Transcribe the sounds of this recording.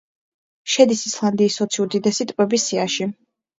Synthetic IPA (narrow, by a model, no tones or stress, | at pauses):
ʃɛd̪isislˠand̪iːsːɔt̪sʰiuɾd̪id̪ɛsit̪ʼqʼwɛbisiaʃi